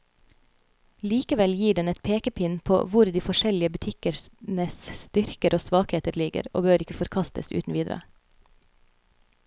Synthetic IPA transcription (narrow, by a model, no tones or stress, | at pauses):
liːkəʋɛljiːɖɛnɛt̪̚pʰeːkəpʰɪnpʰo̰ːʋʊɾd̪iːfɔʃɛlɪəbʉt̪ʰɪkəɾnəsst̪ʏɾkəɾʔoːsʋɑːkheːt̪əɾlɪɡə̰ɾo̰ːbøːɾɪkəfɔɾkʰɑst̪ə̰sʉ̰ːt̪n̩ʋiːd̪ɾə̰